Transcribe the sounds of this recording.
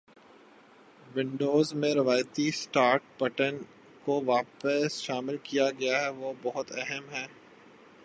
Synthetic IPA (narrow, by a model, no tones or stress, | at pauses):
ʋɪ̃ɳɖoːzmẽɾɪʋaːjt̪isʈaːɾʈ̚bɐʈən | koʋaːpəsʃaːmɪlkijaɡɐjaɦɛʋobɐɦʊt̪ɛɦəmɦɛː